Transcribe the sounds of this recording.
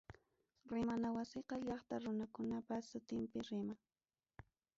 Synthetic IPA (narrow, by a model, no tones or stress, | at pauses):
ɾɪmanawasɪqɑʎɑχt̪aɾʊnakʊnapasʊt̪ɪmpɪɾɪmaŋ